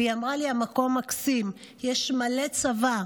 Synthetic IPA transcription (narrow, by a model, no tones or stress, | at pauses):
iamʁaliamako̞mːaksim | jeʃmale̞t͡sava